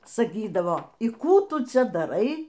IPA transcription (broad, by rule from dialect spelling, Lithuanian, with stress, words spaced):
sɐˈkʲiːdɐʋoː iː ˈkuː ˈtʊ ˈt͡sʲɛ dɐˈrɐɪ